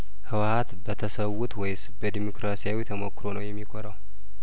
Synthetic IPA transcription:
hɨwat̪bət̪ʰəsəwːut̪wɔjsbəd̪imokɾasijawit̪ʰəmokːɨɾo̞nəwjɛmːikʰoɾəw

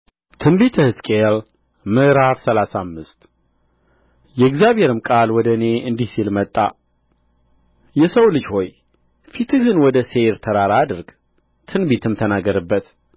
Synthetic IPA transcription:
t̪ʰɨnbit̪ʰəhɨskʼel | mɨʔɾafsəlasamːɨst̪ | jɛɪɡzjaβheɾɨmkʼalwɔd̪əne̞ɨnd̪ihsilmət̪ʼːa̰ | jɛsəwlɨd͡ʒho̞j | fit̪ʰɨɡɨnwɔd̪əse̞ɾt̪ʰəɾaɾaːd̪ɨɾɡ | t̪ʰɨnbit̪ʰɨmt̪ʰənaɡːəɾəbːət̪

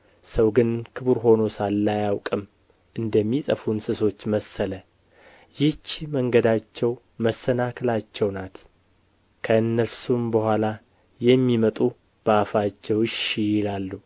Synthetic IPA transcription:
səwɡɨnkʰɨβuɾɦo̞no̞salːajawkʼɨm | ʔɨnd̪əmːit̪ʼəfunsɨso̞t͡ʃːməsːələ | jɪt͡ʃːməŋɡəd̪at͡ʃːɛw | məsːənakʰɨlat͡ʃːɛwnat̪ | kʰəɨnːəsumbəhʷwʷala | jɛmːimət̪ʼu | b̥əafat͡ʃːɛwʃijɪlalːu

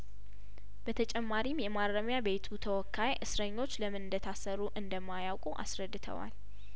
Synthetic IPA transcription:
bət̪ʰət͡ʃʼɛmːaɾimjɛmaɾːəmjabe̞t̪ʰut̪ʰəwɔkʰːajʔɨsɾəɲːo̞t͡ʃːləmɨnnd̪ət̪ʰasəɾuʔɨnd̪əmːajawkʼuʔa̰sɾəd̪ːɨt̪ʰə̰wa̰l

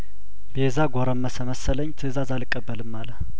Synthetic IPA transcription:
bezaɡʷoɾəmːəsəməsːələɲːt̪ʰɨzazalɨkʼːəbːəlɨmːalə

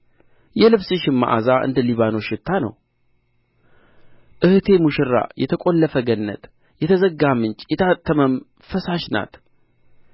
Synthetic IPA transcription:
jɛlɨβsɨʃɪmːa̰ʔazaʔɨ̰nd̪əliβano̞ʃɪt̪ʰːanə̰w | ʔɨht̪ʰe̞muʃɪɾa̰jɛt̪ʰəkʼo̞lːəfəɡənːə̰t̪ | jɛt̪ʰəzəɡamɨnt͡ʃʼjɛt̪ʰat̪ʰːəməm | fəsaʃna̰t̪

